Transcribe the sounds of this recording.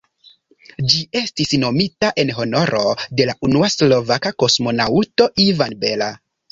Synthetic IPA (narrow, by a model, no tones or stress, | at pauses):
d͡ʒie̞stisno̞mitaʔe̞nɦo̞no̞ɾo̞de̞laʔunuaslo̞vakako̞smo̞nawto̞ʔivanbe̞la